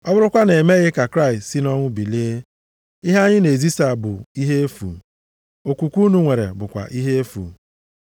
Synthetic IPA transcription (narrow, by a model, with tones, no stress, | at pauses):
ɔ˦bʊ˦ɾʊ˦kʷa˦ne˨me˦ɣɪ˦ka˨kɾa˦ɪ˨stsi˦nɔ˦ŋʷʊ˦bi˨li˦ | i˦ɦa˦ɲɪ˦ne˨zi˦sa˦˨bʊ˨i˦ɦe˦e˦fṵ˨ | o˨kʷu˨kʷu˦nu˦ŋʷe˨ɾḛ˨bʊ˨kʷa̰˨ʔi˦ɦe˦e˦fṵ˨